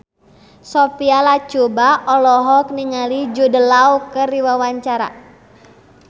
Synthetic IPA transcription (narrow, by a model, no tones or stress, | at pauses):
sɔpialat͡ʃubaʔɔlɔɦɔk̚niŋalid͡ʒudəlaukəriwawaɲt͡ʃaɾa̰